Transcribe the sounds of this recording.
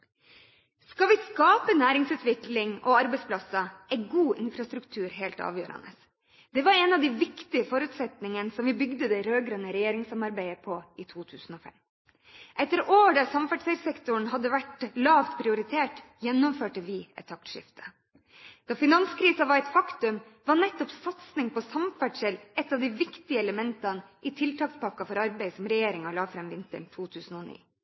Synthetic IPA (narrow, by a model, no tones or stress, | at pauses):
skɑʋɪskɑːpənæːɾɪŋsʉːt̪ʰʋɪklɪŋʔɔ̰ɑɾbɛɪspʰlɑsɑɛɪɡuːʔɪnfɾɑst̪ɾʉkt̪ʰʉːɾɦeːlt̪ɑ̰ːʋjøːɾɑ̰nə̰s | d̪̥ɛʋɑɾɛnɑʋd̪ɪʋɪkt̪ɪəfɔɾʉːt̪sɛt̪nɪŋənəsɔmʋɪbʏɡd̪əd̪ɛɾøːɡɾœːnəɾɛjeːɾɪŋsɑmɑɾbæɪəpʰɔit̪ʰuːt̪ʰʉːsn̩ɔfɛ̰m | ʔɛt̪ːəɾoːɖæɾsɑmfæʈsɛsɛkt̪ʊɳ̩ɦɑd̪ːəʋæʈlɑːft̪pʰɾɪʊɾɪt̪ʰeːʈjɛnːɔmføːʈəʋɪɛ̰t̪ʰːɑk̚t̪ʂɪ̰ft̪ʰə̥ | d̪̥ɑːfɪnɑnskʰɾiːsɑʋɑɾɛt̪fɑkt̪ʉm | ʋɑnɛt̪ːɔpsɑt̪snɪŋpʰɔsɑmfæʈʂɛlʔɛt̪ːɑʋd̪ɪʋɪkt̪ɪəɛləmɛnt̪ɑnʔɪt̪ʰɪlt̪ʰɑːkspɑkɑfɔɾɑɾbæɪsɔmɾɛjeːɾɪŋɑlɑːfɾɛmʋɪnt̪ə̰ɳt̪ʰuːt̪ʰʉːsn̩oːnḭː